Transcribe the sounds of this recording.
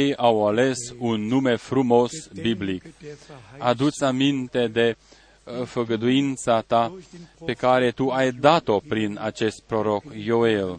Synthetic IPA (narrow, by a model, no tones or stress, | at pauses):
ejawale̞sunːume̞fɾumo̞sbiblik | ad̪ut̪samint̪e̞d̪e̞ | fəɡəd̪uint̪sat̪ape̞kaɾe̞t̪uajd̪at̪o̞pɾina̰t͡ʃe̞st̪̚pɾo̞ɾo̞kjo̞el